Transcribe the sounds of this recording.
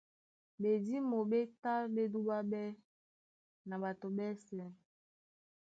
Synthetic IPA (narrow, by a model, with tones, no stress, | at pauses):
be˨di˦mo˨ɓe˦ta˦ɓe˦du˦ɓa˦ɓɛ˦ | na˨ba˨to˨ɓɛ˦sɛ˦